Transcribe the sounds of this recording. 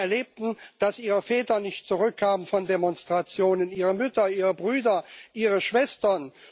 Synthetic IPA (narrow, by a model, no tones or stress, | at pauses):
ɛɐleːp̚tn̩d̥asʔiːʁəfɛːtɐnɪçtt͡suʁʏkʰːaːmənfɔndemɔnstʁ̥at͡sjoːnəniːʁəmʏtɐʔiːʁəbʁyːdɐʔiːʁəʃv̥ɛstɐn